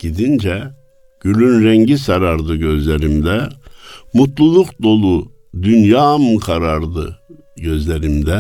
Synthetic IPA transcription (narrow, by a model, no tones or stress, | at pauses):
ɟ̥id̪ind͡ʒɛ | ɟ̥ylʲynɾɛɲɟisaɾaɾd̪ɯɟøzlʲeɾimd̪ɛ | mut̪lˠulˠukd̪o̞lˠu | d̪ynjaːmkʰaɾaɾd̪ɯ̰ | ɟøzlʲeɾimd̪ɛ